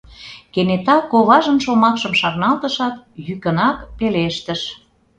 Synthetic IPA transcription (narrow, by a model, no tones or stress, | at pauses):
kenet̪ɑkoβɑʒə̆nʃomɑkʃəmʃɑrnɑlt̪əʃɑt̪̚jykənɑkpeleʃt̪ə̆ʃ